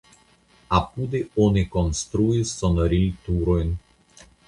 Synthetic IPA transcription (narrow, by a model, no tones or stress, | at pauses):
apud̪eonikonst̪ɾuisːonoɾilt̪uɾojn